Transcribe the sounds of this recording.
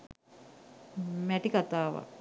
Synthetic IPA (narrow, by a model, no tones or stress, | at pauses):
mæʈikat̪aːʋa̰